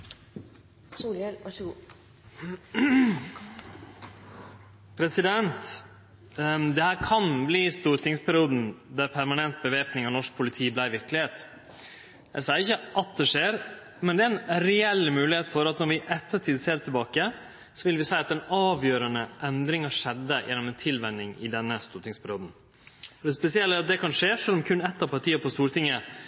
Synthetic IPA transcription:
suːlɛlæʂɡuː | pʰɾɛsɪd̪ɛnt̪ | d̪ɛhæːɾkʰɑnbliːst̪uːɾt̪ɪŋspʰæɾɪuːd̪n̩d̪æɾpʰæɾmɑnɛnt̪̚bəʋeːpnɪŋɑnɔʂk̚pʰʊlɪt̪ʰiːblæɪʋɪɾklɪheːt̪ | jæɪsɑːəɾɪçːəʔɑt̪̚d̪ɛʂeːɾ | mɛnd̪ɛæɾɛnɾɛɛlːmʉːlɪheːt̪fɔɾɑt̪nɔɾʋɪʔɛt̪ʰːəʈʰiːd̪seːɾt̪ɪlbɑːkə | sɔʋɪlʋɪsæɪɑt̪ɛnɑːʋjøːɾənəʔɛnd̪ɾɪŋɑʂɛd̪ːəjʔɛ̰nːɔmɛnt̪ʰɪlʋɛnɪŋɪ̰d̪ɛnːəst̪uːɾt̪ɪŋspʰæɾɪuːd̪n̩ | ɔd̪ɛspɛsɪɛlːəɾɑt̪̚d̪ɛkʰɑnʂeːʂœlːɔmkʰʉnɛt̪ːɑpɑʈ̪ʰiːəpʰɔst̪uːɾt̪ʰɪŋːə

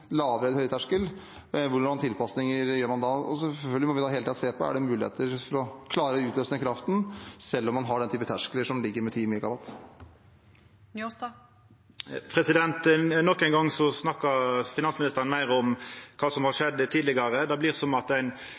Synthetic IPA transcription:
lɑːʋəɾɛləhœʏət̪ʰæʂkəl | ʋʊɾmɑnt̪ʰɪlpɑsnɪŋəɾjøːɾmɑnd̪ɑɔsɛfœlɡəlɪmɔʋɪɑːheːlt̪ʰiːd̪seːpɔæ̰ɖɛmʉːlɪhḛːt̪əɾfɔɾɔkʰlɑːɾəʉːt̪løːsnɪəkʰɾɑft̪nsɛlːɔmːɑnɦɑɖɛnt̪yːpət̪ʰæʂkələʂɔmlɪɡːəɾmɛt̪ʰiːmɪkɑbɑt̪ː | n | pʰɾɛsɪd̪ɛnt̪nɔkːɛɪnɡɑŋːsɔsnɑkːɑfɪnɑnsmɪnɪst̪əɾənmæɪɾɔmkʰɑːsɔmhɑʂɛd̪ːt̪ʰiːd̪lɪɡɑʁəd̪ɛblɪʁsɔmɑt̪æɪn

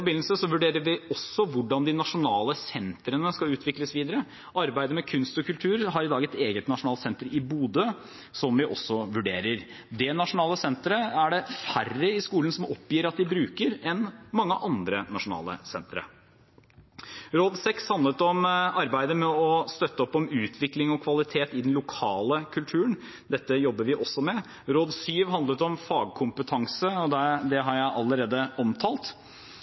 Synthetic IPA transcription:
bɪnl̩səsɔʋʉɖeːɾəɾʋɪɔsːɔʋʊɖɑnd̪ɪnɑʂʊnɑːləsɛnt̪ɾənəskɑʉːt̪ʰʋɪkləsʋiːd̪əɾə | ɑɾbæɪd̪əmɛkʰʉnst̪ɔkʉlt̪ʰʉːɾɦɑɾɪd̪ɑːɡɛt̪eːɡət̪nɑʂʊnɑːlt̪sɛnt̪əɾɪbuːd̪ə | sɔmʋɪʔɔsːɔʋʉɖeːɾəɾ | d̪ɛnɑʂʊnɑːləsɛnt̪ɾəæɖɛfærːəɪskuːlənsɔmɔpːjiːɾɑt̪̚d̪ɪbɾʉːkəɾɛnmɑŋːəʔɑnd̪ɾənɑʂʊnɑ̰ːlə̰sɛnt̪ɾə̰ | ɾoːd̪sɛkshɑnd̪lət̪ɔmɑɾbæɪd̪əmɛɔst̪œt̪ːəɔpːɔmʉːt̪ʰʋɪklɪŋɔkʰʋɑlɪt̪ʰeːt̪ɪd̪ɛnlʊkʰɑːləkʰʉlt̪ʰʉːən | d̪ɛt̪ːəjɔbːəɾʋɪʔɔsːɔmɛ | ɾoːd̪syːʋɦɑnd̪lət̪ɔmfɑːɡ̚kʰʊmpət̪ʰɑŋsəɔd̪ɛd̪ɛɦɑɾjæɪʔɑlːəɾeːd̪əɔmt̪ʰɑːlt̪

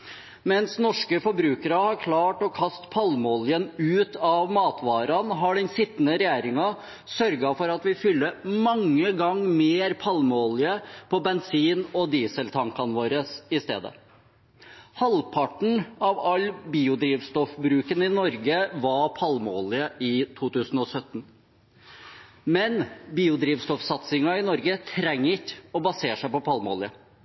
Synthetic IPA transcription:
mɛnsnɔʂkəfɔɾbɾʉːkəɾəhɑɾkʰlɑːʈɔkʰɑst̪pʰɑlmoːlɪənʉːt̪ɑʋmɑːt̪ʋɑːɾɑnɦɑɖɛnsɪt̪ːnəɾɛjæːɾɪŋɑ | sœɾɡɑfɔɾɑt̪ʋɪfʏlːəmɑŋːəɡɑŋmeːɾpʰɑlmoːlɪəpʰɔbɛnsiːnɔd̪iːsəlt̪ʰɑŋkɑnʋoːɾəsɪst̪ḛːd̪ə̰ | hɑlpʰɑʈɳ̩ɑʋɑlːbiːʊd̪ɾiːʋst̪ɔfbɾʉːkənɪnɔɾɡəʋɑpʰɑlmoːlɪəʔɪt̪ʰuːt̪ʉːsn̩ɔsœt̪ːn | mɛnbiːʊd̪ɾiːʋst̪ɔfsɑt̪sɪŋɑɪnɔɾɡət̪ʰɾɛŋːɪçɔbɑseːʂæɪpɔpʰɑlmo̰ːlɪə

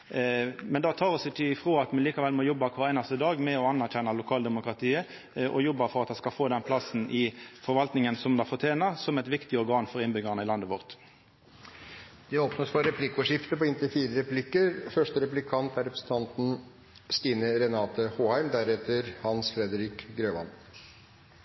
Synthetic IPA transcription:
mɛnd̪ɑt̪ʰɑːʁɔsɛt̪ʰɪlɪfʁoːɑt̪mɛnliːkɑʋɛlmɔjɔbːɑkʰʋɑːʁæɪnɑst̪əd̪ɑːɡmɛɔɑnːæʁçɛnːɑlʊkʰɑːld̪ɛmʊkʁɑt̪ʰiːə | ʔɔjɔbːəɾfɔʁɑt̪ɑskɑfoːd̪ɛnpʰlɑsn̩ʔɪfɔʁʋɑlt̪nɪŋənsɔmd̪ɑfɔʁt̪ʰjeːnɑsɔmɛɪt̪ʋɪkt̪ɪɔʁɡɑːnfɔʁɪnbʏɡəʁnəɪlɑnd̪əʋɔʁt̪ | d̪̥ɛoːpnət̪fɔɾɛpʰlɪkːʊʂɪft̪əpɔɪnt̪ɪfiːɾəɾɛplɪkːəɾfœʂʈəɾɛplɪkʰɑnt̪ʰæɾɛpɾəsn̩t̪ʰɑnt̪n̩ | st̪iːnəɾɛnɑːt̪əhoːhæɪmd̪æɾɛt̪əɾhɑnsfɾɛd̪əɾɪkɡɾøːʋɑ̰n

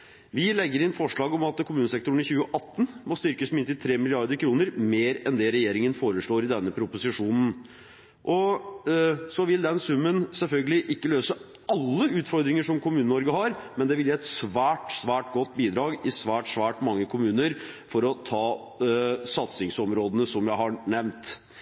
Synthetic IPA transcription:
ʋɪlɛɡːəɾɪnfɔʂɭɑːɡɔmɑt̪kʰʊmʉːnəsɛk̚t̪ʊɳ̩ɪçʉːəʔɑt̪ːn̩mɔst̪ʏɾkəsmɪnt̪ɪlt̪ʰɾeːmɪlɪɑɾd̪əkʰɾuːnəɾmeːɾɛnd̪ɛɾɛjeːɾɪŋənfoːɾəʂɭoːɾɪd̪ɛnːəpʰɾʊpʊsɪʂuːnn̩ | ʔɔ | sɔʋɪld̪ɛnsʉmːənsɛlfœlɡəlɪʔɪkːəløːsə | ɑlːəʉːt̪fɔɾd̪ɾɪŋəʂɔmkʰʊmʉːnənɔɾɡəhɑɾmɛnd̪ɛʋɪljɛt̪sʋæːʈsʋæːʈɡɔt̪ːbiːd̪ɾɑːɡɪsʋæːʈsʋæːʈmɑŋːəkʰʊmʉːnəɾ | fɔɾɔt̪ʰɑː | sɑt̪sɪŋsɔmɾoːd̪ənəsɔmjæɪhɑɳɛʋnt̪

